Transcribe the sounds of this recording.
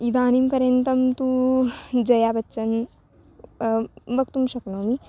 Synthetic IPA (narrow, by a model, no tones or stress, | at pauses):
id̪aːnimpɐɾjɐnt̪ɐmt̪u | d͡ʒɐjaːbɐɐn | bɐkt̪umʃɐknoːmi